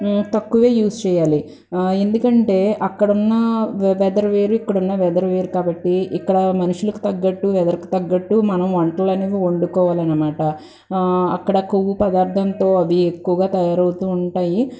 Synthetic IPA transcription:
t̪ɐkːuʋe̞ːjuːst͡ʃɛːjaːli | e̞nd̪ukɐɳʈe̞ːʔɐkːɐɽunːɐʋɛːd̪ɐɾɐʋe̞ːɾuikːɐɽunːɐʋɛːd̪ɐɾɐʋe̞ːɾukaːbɐʈːiikːɐɽɐmɐnuʂulɐku̥t̪ɐɡːɐʈːuʋɛd̪ɐɾɐku̥t̪ɐɡːɐʈːumɐnɐmʋɐɳʈlɐlɐneːʋioɳɖukɔːʋaːlɐnːɐmaːʈɐ | ɐ̰kːɐɽɐkoʋːupɐd̪aːɾt̪ʰɐnt̪o̞ːɐd̪iekːuʋɐɡaːt̪ɐjaːɾɐwt̪uːuɳʈaːji

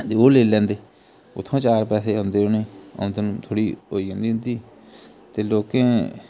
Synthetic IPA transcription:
d̪eːoːleːlɛ̃ːnd̪eː | ʊ̰t̪ʰːõːt͡ʃaːɾpɛːseːɦõnd̪eːʊnẽːõ̰nd̪enũt̪ʰoːɽiːo̰ːiːɦõːnd̪iːɦʊ̃nd̪iː | t̪eːloːkẽː

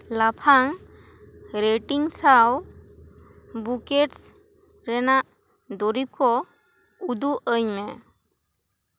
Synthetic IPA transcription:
lapʰaŋ | ɾeʈiŋsaw | bukeʈs | ɾɛnaʔ | d̪ɔɾip̚kɔ | ud̪uʔəɲmɛ

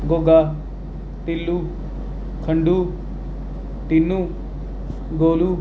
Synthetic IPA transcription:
ɡoːɡaː | ʈɪlːuː | kʰəɳɖuː | ʈinːuː | ɡoːluː

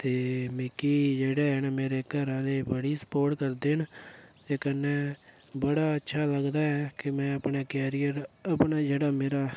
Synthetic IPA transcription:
t̪eːmɪkiːd͡ʒeːɽeːɦənmeːɾeːkəɾãːleːbəɽiːsə̥poːɾʈkəɾd̪eːɦnt̪eːkənːɛ̃ː | bəɽaːətːʃʰaːləɡd̪aːɛːkɪmɛ̃ːəpɳeːkɛːɾijəɾəpɳaːd͡ʒeːɽaːmeːɾaː

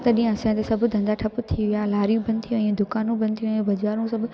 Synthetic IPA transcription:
t̪ɐɗĩɦə̃ɐsãt̪esɐbʱʊd̪ʱɐ̃nd̪aʈʰɐpʊt̪ʰiʋijaːlaːɾijũbɐ̃nt̪ʰijũɛ̃ːd̪ʊkaːnũbʱɐ̃nt̪ʰijũɛ̃bɐd͡ʑaːɾũsɐbʱ

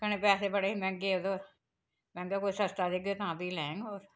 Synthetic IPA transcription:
kəneːpɛːseːbəɽeːimɛ̃ŋɡeːd̪oːɾ | mɛ̃ːŋɡekoːisəst̪aːd̪eːɡoːt̪ãːbiːlɛ̃ːŋɡoːɾ

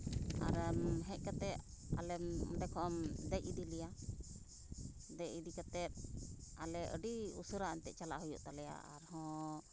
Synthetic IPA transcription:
a̰ɾmɦɛ̃c̚ˀkat̪ɛʔ | a̰lɛd̪ɛkʰɔʔɔmd̪ɛjid̪ilɛja | d̪ɛcid̪ikat̪ɛp̚alɛʔə̰ɖiṵsuɾaʔaɲt̪ɛʔt͡ʃalaʔɦujṵʔt̪alɛja̰a̰ɾhɔ̃

